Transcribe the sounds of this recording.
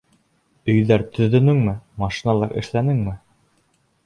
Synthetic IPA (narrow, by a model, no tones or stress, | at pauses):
ɵ̆jðæɾt̪ɵ̆ðɵ̆nɘŋmɘmɑʃinɑlˠɑɾʔɘ̰̆ʃlænɘŋmɘ